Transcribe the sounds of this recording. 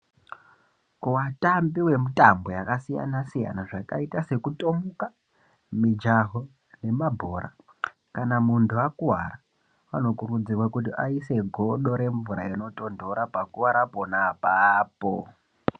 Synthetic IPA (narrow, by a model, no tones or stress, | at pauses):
kuwatambiwe̞mutambo̞jakasija̰nasija̰naʐaka̰itase̞kutomuka | mid͡ʒaɦo̞ | ne̞mabʱo̞ːɾa̰ | kanamuntʰuakuwa̰ra | wano̞kurud͡zirwakut̬iʔaise̞ɡʱo̞ɗo̞ɾe̞ɱvuɾa̰ino̞to̞ndo̞ɾapakuwaɾapo̞napapo̰